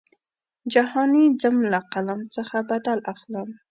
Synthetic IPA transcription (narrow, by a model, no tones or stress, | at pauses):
d͡ʒahɑnid͡ʒamlaqalamt͡səxabad̪alaxləm